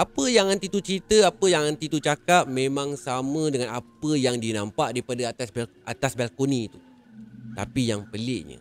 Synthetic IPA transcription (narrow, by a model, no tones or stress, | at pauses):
ʔapəjaŋhant̪it̪ut͡ʃɾit̪əapəjaŋant̪it̪ut͡ʃakap̪̚mẽmãŋsamə̃dəŋanapəjaŋdinãmpaʔdaipadaat̪asʔat̪asbɛlkonĩt̪u̥ | t̪a̰pijaŋpəlɪʔɲə̰